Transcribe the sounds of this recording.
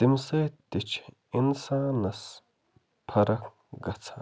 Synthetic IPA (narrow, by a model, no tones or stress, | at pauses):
d̪imsɐːt̪ːit͡ʃʰ | insaːnɐs | pʰɐɾɐk | ɡɐt͡sʰa